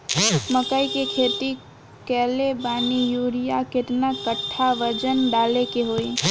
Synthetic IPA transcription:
məkəikekʰeːt̪i | kɛːlebaːnijuːɾijakɪt̪nakəʈʰːaʋəd͡ʒənɖaːlekeɦoi

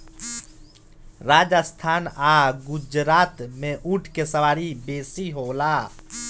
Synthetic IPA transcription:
ɾaːd͡ʒəst̪ʰaːnaːɡʊd͡ʒɾaːt̪mẽʔuʈʰkesəʋaːɾibeːsiɦoːlaː

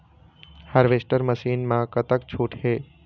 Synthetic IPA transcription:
haɾʋesʈəɾməʃiːnmãkət̪əkt͡ʃʰuːʈʰɦeː

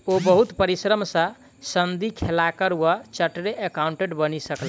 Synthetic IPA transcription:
obəɦut̪pəɾisɾəmsə̃ | sənd̪ikʰelakəɾuwat͡ʃəʈɾeʔekauɳʈeʈbənisəkl

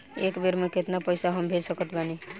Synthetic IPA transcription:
ekbeɾmẽket̪napəjsaɦəmbʱed͡ʒsəkət̪bani

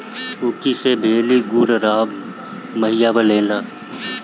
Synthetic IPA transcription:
ʊkisebʱeːliɡuːɾɾaːb | məɦɪjabəleːlaː

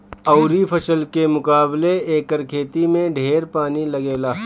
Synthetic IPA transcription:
ɐʊɾipʰɐsəlkemʊkaːbleeːkəɾkʰeːt̪imẽɖʱeːɾpaːnilɐɡeːlaː

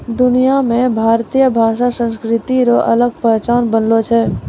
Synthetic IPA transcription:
d̪unijamẽbʱaɾt̪ijəbʱaʃasə̃nskɾit̪iɾoʔələɡ̚pəɦt͡ʃanbənlot͡ʃʰɛ

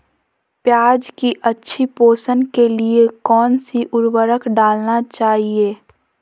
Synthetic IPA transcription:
pjaːd͡ʒkiʔɐtːʃʰipoːsənkeliekɔːnsiʔʊɾwəɾəkɖaːlnat͡ʃaːɦieː

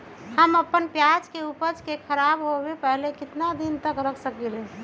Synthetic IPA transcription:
həməpːənpjad͡ʒkeupəd͡ʒkekʰəɾabɦobepəɦlekɪt̪nad̪int̪əkɾəkʰsəkelẽ

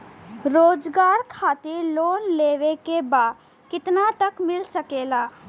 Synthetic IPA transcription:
ɾoːd͡ʒɡaːɾkʰaːt̪eloːnleːʋekebaːd̪ | kɪt̪nat̪ɐkmɪlsɐkeːlaː

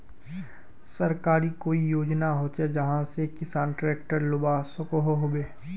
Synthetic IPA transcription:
sɐɾkaːɾikoːijoːd͡ʒnaɦot͡ʃed͡ʒɐɦãsekɪsaːnʈɾeːk̚ʈəɾlʊbasʊkoɦoɦobeː

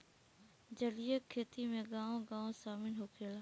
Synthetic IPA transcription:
d͡ʒəlɪjəkʰːeːt̪imẽɡãːõɡãːõsaːmɪnɦoːkʰeːlaː

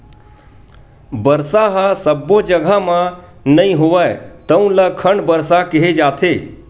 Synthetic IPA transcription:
bəɾsaɦasəbːod͡ʒəɡʱamã | nəĩɦoʋaːet̪əũləkʰəɳɖbəɾsakeɦed͡ʒaːt̪ʰeː

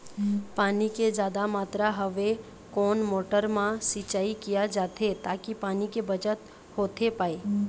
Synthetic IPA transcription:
paːniked͡ʒaːd̪amaːt̪ɾaɦəʋe | koːnmoːʈəɾmãsit͡ʃaːikijad͡ʒaːt̪ʰet̪aːkipaːnikebət͡ʃət̪ | hoːt̪ʰepaːe

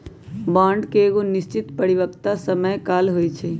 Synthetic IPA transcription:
bãɳɖkeːɡonist͡ʃit̪pəɾibəkt̪asəməjkalɦojt͡ʃʰɛ

